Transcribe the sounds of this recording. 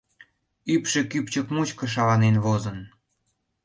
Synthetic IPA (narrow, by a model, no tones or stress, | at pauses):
ypʃĕkypt͡ɕəkmut͡ɕkɤ̆ʃ̬ɑβɑnenvozən